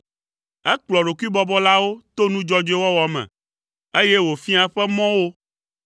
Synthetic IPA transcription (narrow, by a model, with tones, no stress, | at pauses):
ɛ˦k͡plɔ˨ɖo˨ku˦i˦bɔ˦bɔ˦la˦wo˦t̪o˦nũ˦d͡ʒɔ˦d͡ʒe˦wɔ˦wɔ˨mɛ̰̃˨ | e˦je˦wo˨fi˦a˦ɸɛ˦mɔ̃˦wo˦